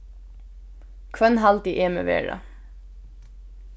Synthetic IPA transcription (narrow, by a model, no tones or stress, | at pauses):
kʰʋœnɦɑlt̪iʔeːmḛːʋḛːɖɑ̰